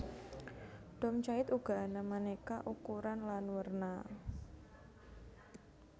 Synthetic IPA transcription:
d̥ɔmt͡ʃaɪt̪uɡ̥a̤namanekaʔukuɾanlanwərna

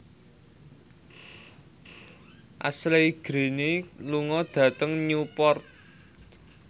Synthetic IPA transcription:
ʔa̰sleɡ̥ɾe̤neluŋɔd̪̥a̤t̪əŋɲupɔrt̪̚

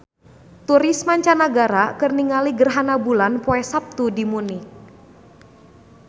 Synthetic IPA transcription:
t̪uɾismaɲt͡ʃanaɡaɾakərniŋaliɡərɦanabulanpɔɛsap̚t̪udimunɪk̚

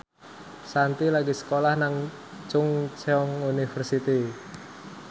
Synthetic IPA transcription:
sant̪ilaɡisə̥kolahnaŋ | t͡ʃʊŋt͡ʃeɔŋunifərsit̪i

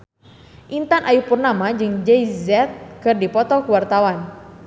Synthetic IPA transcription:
ʔint̪anʔajupurnamad͡ʒɨŋd͡ʒɛizɛt̪̚kɨrdipɔt̪ɔkuwart̪awan

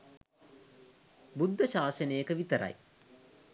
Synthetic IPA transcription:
bud̪ʱːəʃaːsənejəkəʋit̪əɾa̰j

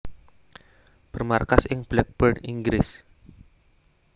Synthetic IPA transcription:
b̥ərmarkasɪŋblɛk̚b̥ərniŋɡɾɪs

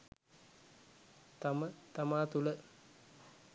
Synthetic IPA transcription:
t̪amət̪amaːt̪ulə

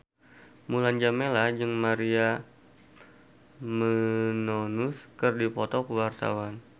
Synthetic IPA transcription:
muland͡ʒamelahd͡ʒɨŋmaɾia | mənonuskərdipɔt̪ɔkəwart̪a̰wan

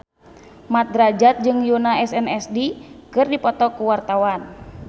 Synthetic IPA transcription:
mat̪̚dɾad͡ʒat̪̚d͡ʒɨŋjunaɛsɛnɛsdikɨrdipɔt̪ɔkuwart̪awan

